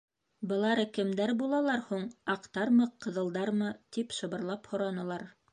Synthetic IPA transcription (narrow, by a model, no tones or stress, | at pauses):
bɤ̆lˠɑɾɤkɘ̆md̪æɾbulˠɑlˠɑɾhuɴɑqt̪ɑɾmɤqɤ̆ðɤ̆lˠd̪ɑɾmɤt̪ipʃɤ̆βɤ̆ɾlˠɑphŏɾɑnɤ̆lˠɑɾ